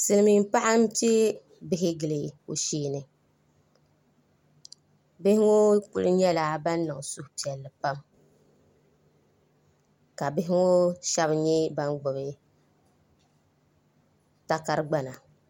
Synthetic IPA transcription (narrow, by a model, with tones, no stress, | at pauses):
sɨ˨lɨ˨mi˨m˦pa˦ʔa˦m̩˦pe˦ | bɪ˦ɦɪ˦ɡɨ˨lɨ˨o˨ʃiː˦nɨ˨ | bɪ˦hɪ˦ŋo˦kʊ˦lɨ˦ɲɛ˦laː˨ba˦nː˦ɨ˨ŋ˨sʊ˦hʊ˨pi˨ɛ˨lːɨ˨pa˦m | ka˨bɪ˦ɦɪ˦ŋo˦ʃɛ˦bɲɛ˦ba˦nɡ͡bʊ˨bɨ˦ | ta˦ka˦ɾɨ˦ɡ͡ba˦na˨